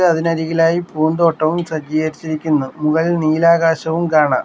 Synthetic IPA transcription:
ɨɐðinɐɾiɣilaːjipuːnd̪oʈːɐʋumsɐd͡ʑiːɣɐɾit͡ɕːiɾikʲːunːumuɣɐlilniːlaːɣaːɕɐʋumkaːɳa̰ːm

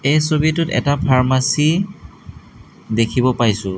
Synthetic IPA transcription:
ejsobitʊtɛ̰tapʰaɹmasi | dekʰibɔpajsʊ

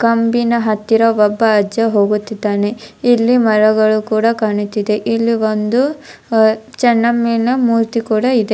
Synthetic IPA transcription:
kɐmbinɐɦɐt̪ːiɾɐʋɔbːɐːd͡ʒɐɦo̞ːɡut̪ːid̪ːaːneilːimɐɾɐɡɐɭukuːɽɐkaːɳut̪ːid̪e̞ʔilːiʋond̪u | t͡ʃɐnːɐmːinɐmuːɾt̪ikuːɽɐid̪e̞

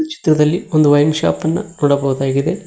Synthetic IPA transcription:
t͡ʃi̥t̪ɾɐd̪ɐlːiond̪uʋɐjnʃa̰ːpɐnːɐ̰noːɽɐbɐɣud̪aːɡid̪e̞

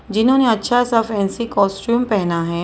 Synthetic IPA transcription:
d͡ʒɪnɦõːneɐtːʃʰasɪɾfɛːnsikɔːsʈjuːmpɛɦnaɦɛː

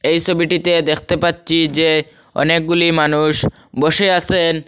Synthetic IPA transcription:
ejt͡ɕʰobiʈit̪ed̪ekʰt̪epatːɕʰid͡ʑe | ɔ̰nek̚ɡulimanuʃ | boʃeasʰen

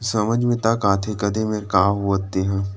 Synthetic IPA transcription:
sɐməd͡ʒmẽt̪ɐkaːt̪ʰekəd̪emẽɾkaːuət̪ːeɦɛ̃ː

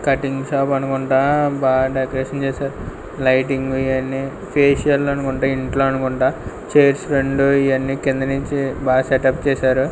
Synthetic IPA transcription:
kɐʈiŋɡsaːpɐnukuɳʈaːbaːɖɐkɾeːʂɐnt͡ʃɛːsaːɾu | lɐjʈiŋɡuiʋɐnːi | pʰeːʂijɐllɐnukuɳʈaːiɳʈlo̞ːɐnukuɳʈaː | t͡ʃeːɐɾsɾeɳɖuiʋɐnːiːkind̪ɐniɲt͡ʃibaːseʈɐpːt͡ʃɛːʃaːɾu

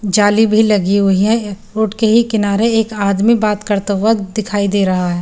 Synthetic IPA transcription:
d͡ʒaːlibʱilɐɡiɦʊɦiɛ̃ɾoːʈkeɦikɪnaːɾeeːkaːd̪mibaːt̪kəɾt̪əʋəd̪ɪkʰaːid̪eːɾɐɦaɦɛː

